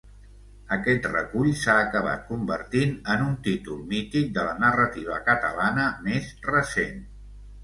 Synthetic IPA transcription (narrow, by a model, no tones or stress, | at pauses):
əkɛt̪rə̰kuʎsaːkəβ̞a̰t̪̚kumbəɾt̪inənunt̪it̪ulˠmit̪ik̚d̪ələnərət̪iβ̞əkət̪ə̰lanəmezrəsen